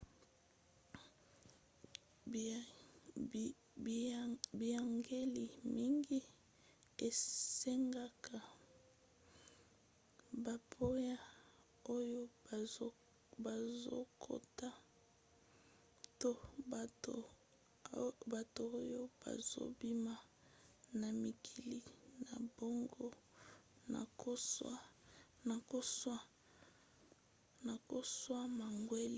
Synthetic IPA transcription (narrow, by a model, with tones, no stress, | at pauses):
bi˨a˨ŋɡe˦li˨mi˦ŋɡi˦ | e˨se˦ŋɡa˦kʰa˨ | ba˨pʰo˦ja˦ | o˦jo˦ | ba˨zo̰˦kʰo̰˨ta˦ | to˦˨o˨ | ba˨toː˨˦jo˦b̥a̰˨zo̰˦bi˦ma˨ | na˨mi˨kʰi˨li˨na˨bo˦ŋɡo˦ | na̰˨ko˦ | na˨ko˦sa˦ | na˨ko˦swa˦ma˨ŋɡwe˦li˦